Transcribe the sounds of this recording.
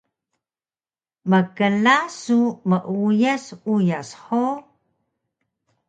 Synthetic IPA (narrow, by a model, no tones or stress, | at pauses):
məkəlasuməʔujasujasħo